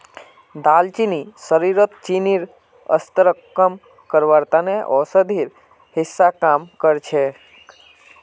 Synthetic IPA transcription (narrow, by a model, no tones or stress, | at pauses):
d̪alt͡ʃinisəɾiɾət̪t͡ʃiniɾ | ə̰st̪əɾəkːəm | kəɾʋaɾt̪aneʔɔsəd̪ʱiɾ | hɪsːakamkəɾt͡ʃʰe